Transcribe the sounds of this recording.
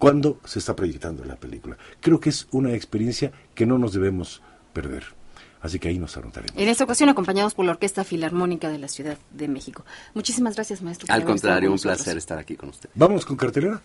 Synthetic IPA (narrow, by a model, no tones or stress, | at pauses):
kwand̪o̞se̞ːst̪apɾo̞ʝe̞kt̪and̪o̞̰la̰pelikula̰kɾe̞okeesunaekspeɾje̞nsja | ke̞no̞no̞zðe̞βe̞mo̞s | pe̞ɾðe̞̰ɾasikeaino̞sa̰not̪a̰ɾem̰enest̪aokasjo̞nako̞mpaɲaðospo̞ɾlaoɾke̞st̪afilaɾmo̞nikaðe̞lasjuðaðːeme̞xikomut͡ʃisimazɣɾasjazmaest̪ɾoalkont̪ɾaɾjoumplaseɾest̪aɾakikonust̪eðbamo̞sko̞ŋkaɾt̪e̞le̞ɾa